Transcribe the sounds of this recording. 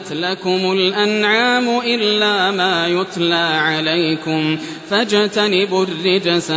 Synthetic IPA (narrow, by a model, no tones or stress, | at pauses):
t̪lakʊmʊlʔanʕaːmʊʔɪlːaːmaːjʊt̪ˤlaːʕalajkʊm | fad͡ʒt̪anɪbʊrːɪd͡ʒasa